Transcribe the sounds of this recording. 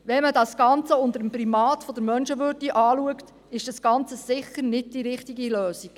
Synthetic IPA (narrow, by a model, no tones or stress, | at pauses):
ʋɛmədɑsɡ̥ɑnt͡səʊnd̪əɾəmprimɑːt̪fɔd̥əɾmœnʃəʋʏɾdiʔɑːluəkt | ɪʃd̥ɑsɡ̥ɑnt͡səsɪχəɾnɪd̚d̥iɾɪχtiɡiløːsik